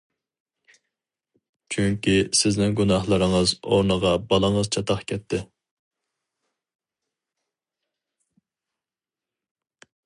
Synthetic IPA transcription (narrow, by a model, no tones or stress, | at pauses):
t͡ʃʰyŋkʲisɪznɪŋɡunɑχlˠəɾəŋəzo̰ɾnəʁɑbɑlˠəŋəzt͡ʃʰɑt̪ʰɑχkʲʰɛt̪ʰːɪ